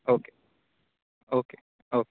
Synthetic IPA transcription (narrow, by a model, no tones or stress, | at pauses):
oːke | oːkeː | oːk